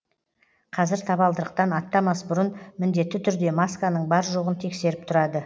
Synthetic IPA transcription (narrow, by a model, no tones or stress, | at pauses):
qʰɑzɪɾt̪ʰɑbɑlˠd̪əɾəq̚t̪ɑnɑt̪ːɑmɑsbʊɾənmɪnd̪e̞t̪ːɪt̪ʰʏɾd̪e̞maskanəɴbɑɾʒo̞ʁənt̪ʰe̞kse̞ɾɪp̚t̪ʰʊɾɑd̪ə